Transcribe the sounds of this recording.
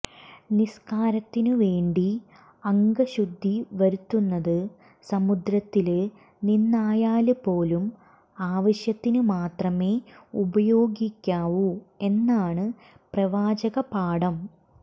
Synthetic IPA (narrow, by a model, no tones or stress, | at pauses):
niskaːɾɐt̪ːinɨʋe̞ːɳɖi | ɐŋɡɐɕud̪ʱːiʋɐɾut̪ːunːɐðɨ | sɐmud̪ɾɐt̪ːilɨ | ninːaːjaːlɨpo̞ːlum | aːʋɐɕjɐt̪ːinɨmaːt̪rɐme̞ːubɐjo̞ːɡikʲːaːʋue̞nːaːɳɨ | prɐʋaːd͡ʑɐɣɐpaːɽɐm